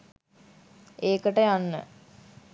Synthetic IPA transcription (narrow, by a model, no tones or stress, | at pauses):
eːkəʈəjanːə̰